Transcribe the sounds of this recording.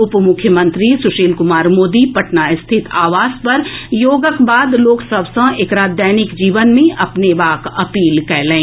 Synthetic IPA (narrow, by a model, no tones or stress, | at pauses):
ʊpmʊkʰjəmə̃nt̪ɾisʊʃeːlkʊmaːɾmoːd̪ipɐʈnaɪst̪ʰɪt̪ʰaːʋaːzpɐɾjoːɡəkbaːd̪loːksɐbsə̃eːkɾaːd̪jaːnɪkd͡ʒiːʋənmẽʔɐpneʋaːkɐpiːlkɛɦlẽː